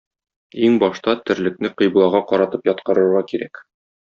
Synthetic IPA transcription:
iŋbɒʃt̪ɑt̪ɘ̆ɾlɘ̆knɘqɤ̆jblˠɑʁɑqɒɾɑt̪ɤpjɒt̪̚qɤ̆ɾɤ̆ɾʁɑkiɾæk

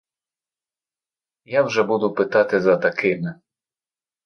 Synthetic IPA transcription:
jawʒɛbud̪ʊpɪt̪ɑt̪ɪzɐt̪ɐkɪmɪ

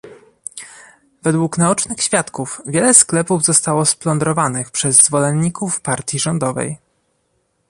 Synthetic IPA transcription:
vɛd̪wuknaɔt͡ʂnɘxɕfʲjat̪kufvʲjɛlɛsklɛpuvzɔst̪awɔsplɔnd̪ɾɔvanɘxpʂɛzːvɔlɛnɲikufpaɾt̪ʲjiʐɔnd̪ɔvɛ̰j

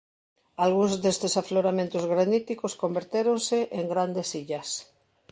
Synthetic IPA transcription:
alɣunzd̪est̪esafloɾamẽnt̪ozɣɾanit̪ikoskombeɾt̪eɾonseʔeŋɡɾand̪esiʎas

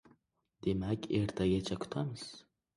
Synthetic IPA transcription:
d̪̥emækʲeɾt̪ʰaɡʲat͡ʃʰakʰʷʊ̥t̪ʰamɨz̥

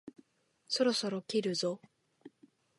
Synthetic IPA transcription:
so̞ɾo̞so̞ɾokʲiɾɯ̟zo

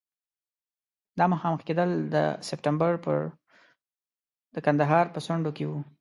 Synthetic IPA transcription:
d̪ɑməxɑməxked̪əld̪ə̰sɪp̚ʈambaɾpə | d̪əkand̪aɦɑɾpəswaɳɖokewu

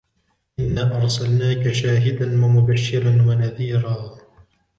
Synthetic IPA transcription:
ʔɪnːaːʔɑɾˤsalnaːkaʃaːɦɪd̪anwamʊbaʃːɪɾanwanaðiːɾaː

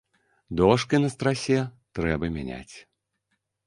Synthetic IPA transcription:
d̪ɔʂkinɐst̪ɾasʲɛ | t̪ɾɛbɐmʲanʲa̰t͡sʲ

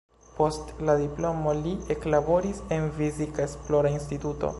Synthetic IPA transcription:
po̞stladiplo̞mo̞liʔeklabo̞ɾisenfizikaesplo̞ɾains̬tituto̰

